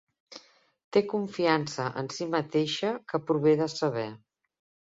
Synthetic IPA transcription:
t̪ekuɱfiansəʔə̰nsimət̪eʃəkəpɾuβ̞eðəsəβ̞ɛ

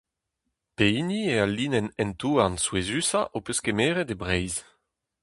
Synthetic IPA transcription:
peiniealiːnɛnɛnt̪uːanswezysa̰ʔopøskemeːʁɛdebʁɛjz

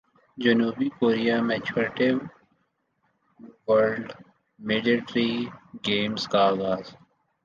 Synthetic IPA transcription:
d͡ʒənuːbikoːɾijamɛːd͡ʒoːɾʈɪʋ | wəɾɖ | meːɖiʈɾiɡeːmskaaːɣaːz

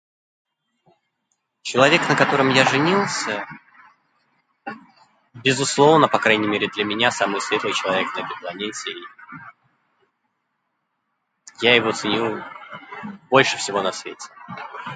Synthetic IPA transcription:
t͡ɕɪlˠɐvʲe̞knəkɐt̪o̞ɾəmjaʐɨnʲilˠsʲə | bʲɪzʊslˠo̞vnəpɐkɾajnʲɪmʲeɾʲɪd̪lʲəmʲɪnʲasamɨjsvʲet̪lˠɨjt͡ɕɪlˠɐvʲek̚nəɛt̪əɪjplˠɐnʲetʲɪ | jajɪvo̞t̪sɨnʲilˠ | bo̞lʲʂɨfsʲɪvo̞nɐsvʲḛtʲɪ̥

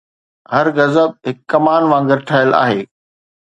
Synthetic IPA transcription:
hɐɾɣɐzəb̚ɦɪkːɐmaːnʋãːŋɡɪɾʈʰaːjəlʔa̰ːɦeː

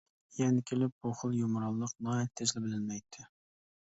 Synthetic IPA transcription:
jɛnɪkʲʰelɪp̚boχʊlˠjomɾɑlˠːəqnɑɛt̪ʰːɪzlɪbɪlɪnmɛjt̪ʰːɪ

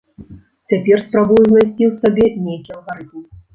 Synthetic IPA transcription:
t͡sʲapʲɛrspɾabujuznajsʲt͡sʲiwsabʲɛnʲejkʲiɐlˠɣaɾɨt̪m

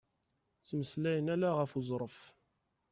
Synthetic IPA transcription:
t͡sməslæjənælæʁəfuzˤɾˤəf

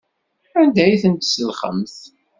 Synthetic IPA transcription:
ænd̪æjθənd̪səlχə̰mθ

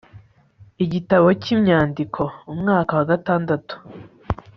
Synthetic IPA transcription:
iɟitaβo̞cimɲaːndikʰo̞umŋaːkawaɡataːndatu̥

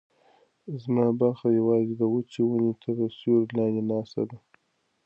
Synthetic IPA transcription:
zmɑbaɾxajawɑzed̪əwət͡ʃiwunet̪ʰəɾəsjoɾlɑnd̪enɑst̪a̰d̪a

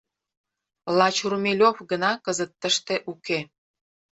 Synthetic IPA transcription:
lɑt͡ɕurmʲelʲofɡənɑkəzət̪ːəʃt̪e̽ʔuke

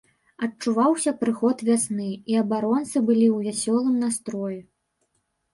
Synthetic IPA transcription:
ɐt͡ʂuvawsʲɐpɾɨxɔt̪vʲasnɨiɐbaɾɔnt̪sɨbɨlʲiwvʲasʲɔlˠɨmnast̪ɾɔjɛ

